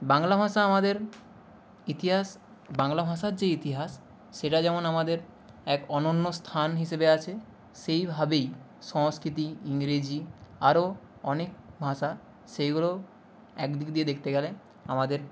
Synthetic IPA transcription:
baŋlabʱaʃaamad̪eɾ | it̪iɦas | baŋlabʱaʃaɾd͡ʑeit̪iɦasː | eʈad͡ʑɛmonamad̪eɾ | ɛkɔnonːost̪ʰanɦiʃebeat͡ɕʰe | ʃejbʱabej | ʃɔŋskɾit̪̬iiŋɾed͡ʑiaɾo | ɔnekbʱaʃa | ʃejɡulo | ɛkd̪ikd̪ied̪ekʰt̪eɡɛle | amad̪eɾ

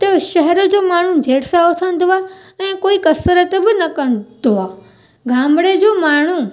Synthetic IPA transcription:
t̪əʃɐɦɛɾəd͡ʑoːmaːɳ̤ũd͡ʑʱeːɽsaot̪ʰə̃nd̪oʋa | ɛ̃ːkoːikɐsəɾət̪ebɪnɐkəñd̪oʋa | ɡʱãːmɽed͡ʑoːmaːɳ̤̃ũ

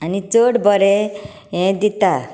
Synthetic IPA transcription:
anit͡soɽbʌɾe | ɦẽd̪it̪a

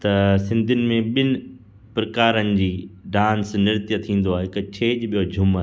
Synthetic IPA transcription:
t̪ɐsɪ̃nd̪ʱɪnɪ̆mẽɓɪnɪ̆ | pɾɐkaːɾənɪ̆d͡ʑiːɖãːnsnɪɾt̪jət̪ʰĩːn̆d̪oaːɦeɦɪkt͡ɕʰeːd͡ʑɓijod͡ʑʱʊma

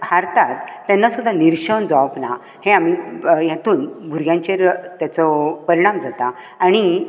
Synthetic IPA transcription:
haɾt̪at̪ːjanːasud̪ʱːaniɾɕəɳd͡zaʋpna | hẽamijat̪uːnbʱuɾɡjãɲt͡ɕeɾt̪jat͡sɔpəɾiɽ̃amd͡zat̪a | aɽ̃i

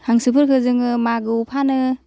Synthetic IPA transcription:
haŋsɯpʰɯɾkʰɯzɯŋɯmaɡɯpʰanɯ

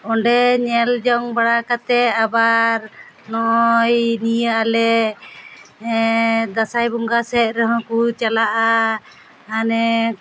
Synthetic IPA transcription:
ɔɳɖɛɲɛld͡ʒɔŋbaɽakat̪ɛabaɾ | nɔɔjnijəalɛ | d̪asajbɔŋɡasɛʔ̪̚ɾəɦɔ̃kut͡ʃalaʔa | anɛ

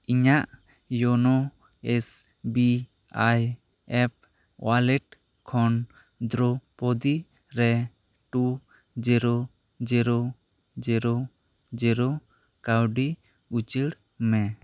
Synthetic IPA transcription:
iɲaʔ | jɔnɔ | ɛs | bi | aj | ɛp̚ | walɛʈ | kʰɔn | d̪ɾɔpɔd̪i | ɾɛ | ʈu | d͡ʒiɾo | d͡ʒiɾo | d͡ʒiɾo | d͡ʒiɾo | kawɖi | ut͡ʃiɽ | mɛ̃

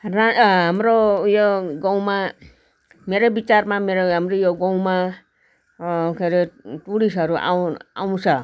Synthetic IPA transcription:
raɦamɾojoɡaw̃ma | meɾobit͡sarmameɾoɦamɾojoɡaw̃ma | kʰeɾeʈuɽisʌɾuʔa̰wa̰w̃t͡sʰʌ

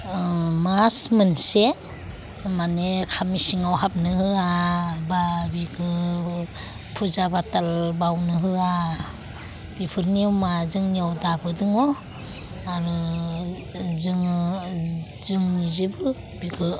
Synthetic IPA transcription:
masmɯnse | manekʰamisiŋawɦap̚nɯhɯababiɡɯ | pʰuzabatalbawnɯɦɯa | b̥ipʰɯɾniawmazɯŋniawdabɯdɯŋɔ | aɾɯ | zɯŋ | zɯŋzibɯ | b̥iɡɯ

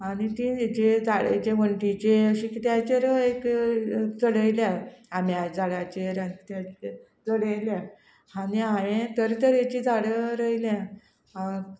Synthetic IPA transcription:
anit̪id͡ʑed͡zaɭḛd͡ʑeʋəɳʈit͡ɕeəɕikit̪jat͡ɕeɾəek | t͡səɽəjljãamjad͡zaɽat͡ɕeɾant̪at͡ɕ | d͡zəɽelja | aniaʋẽt̪əɾt̪əɾet͡ɕiːd͡zaɽəɾəjljã | a

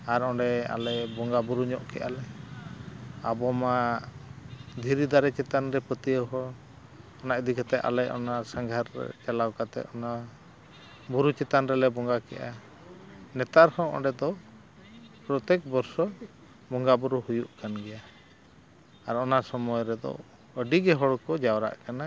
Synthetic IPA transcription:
aɾɔɖɛa̰lɛbɔŋɡabuɾuɲɔʔkɛʔalɛ | abɔma | d̪ʱiɾid̪aɾɛt͡ʃɛt̪anɾɛpət̪ijəɦɔ | ɔnaʔd̪ikat̪ɛʔʔa̰lɛʔɔ̰nasaŋɡʱaɾ̰t͡ʃalawkat̪ɛ̰ʔɔna | buɾut͡ʃɛt̪anɾɛlɛbɔŋɡakɛ̰ʔa | nɛt̪aɾhɔ̃ʔɔ̰ɖɛd̪ɔ | pɾɔt̪ɛk̚bɔɾsɔ | bɔŋɡabuɾuhujuʔkanɡɛja | aɾɔnasɔmɔjɾɛd̪ɔ̰ | əɖiɡɛɦɔɽkɔd͡ʒawɾa̰ʔkana

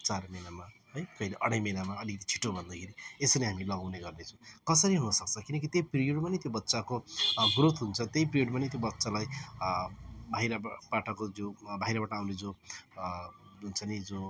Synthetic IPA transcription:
t͡sarmenamaɦʌjkʌileʔʌ̰ɽ̃ʌ̃jmenamaʌlikʌt̪i̥t͡sʰi̥ʈobʱʌnd̪akʰeɾiesʌneɦamilʌɡawneɡʌrnet͡sʰʌ̃w̃kʌsʌɾiɦunʌsʌk̚t͡sʰʌkinʌkit̪jejpɾijoɽmanet̪jobʌt̪ːsakoɡrot̪ɦunt͡sʰʌt̪jejprijoɽmanit̪jobʌtːsalaj | bʱajɾabaʈʌkod͡zobʱajɾabaʈʌːwned͡zo | ɦunt͡sʰʌnid͡zo

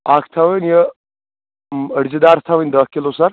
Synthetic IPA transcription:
akʰt̪ʰaʋənjə | əɽd͡ʑid̪aɾt̪ʰaʋənʲd̪əhkːilosaɾ

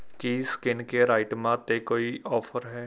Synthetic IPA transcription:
kiskɪnkeɾaːɪʈmãːt̪eːkoːiːɔːpʰəɾɦɛː

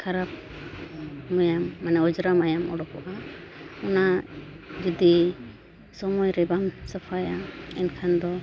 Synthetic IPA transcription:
kʰaɾap̚ | majamːanɛɔd͡ʒɾamajamɔ̰ɽɔkɔʔaɔna | d͡ʒɔd̪i | sɔmɔjɾɛbamsapʰajaɛnkʰand̪ɔ

